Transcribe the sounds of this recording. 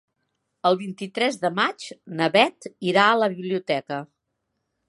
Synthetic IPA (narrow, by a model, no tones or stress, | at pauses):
əlˠβint̪it̪ɾɛzðəmat͡ʃnəβɛt̪iɾaələβiβliut̪ɛkə